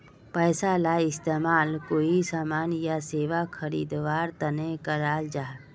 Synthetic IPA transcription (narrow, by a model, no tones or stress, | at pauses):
pɛːsalaːɪst̪eːmaːlkoːisaːmaːnjaseːʋakʰəɾḭːd̪ʋaːɾt̪ənekəɾaːld͡ʒaː